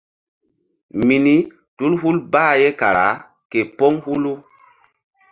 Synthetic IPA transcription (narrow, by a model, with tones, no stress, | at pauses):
mi˨ni˦ | tu˦lɦu˦lbaː˦je˦ka˨ɾa̰˨˦ | ke˨po˦ŋhu˦lu˦